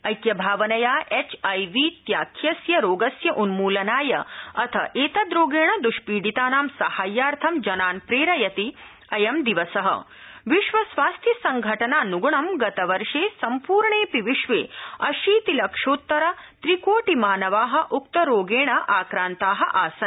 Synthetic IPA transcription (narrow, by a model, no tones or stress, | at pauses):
ɐjkjɐbʱaːʋɐnɐjaːʔet͡ʃɐjʋiːt̪jaːkʰjɐsjɐɾoːɡɐsjɐʔunmuːlɐnaːjɐ̰ɐt̪ʰɐ̰ʔeːt̪ɐd̪ɾoːɡeːɳɐd̪uʃpiːɖit̪aːnaːmsɐhaːjːaːɾt̪ʰɐmd͡ʒɐnaːnpɾeːɾɐjɐt̪i | ɐjɐmd̪iʋɐsɐɦɐ̰ | ʋiʃʋɐsʋaːst̪ʰisɐŋɡʱɐʈɐnaːnuɡuɳɐmɡɐt̪ɐʋɐɾʂeːsɐmpuːɾɳeːpiʋiʃʋeːɐʃiːt̪ilɐkʂoːt̪ːɐɾɐt̪ɾikoːʈimaːnɐʋaːɦɐ̆ʔuk̚t̪ɐɾoːɡeːɳɐʔaːkɾaːnt̪aːɦɐʔaːsɐn